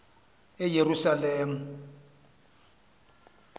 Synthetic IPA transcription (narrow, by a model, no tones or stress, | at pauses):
ɛjerusaleːmu